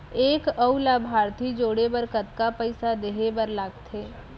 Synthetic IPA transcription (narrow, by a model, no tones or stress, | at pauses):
eːkəulaːbʱaːɾt̪ʰid͡ʒoːɽebəɾkət̪kapəɪsad̪eɦebəɾlaːɡt̪ʰeː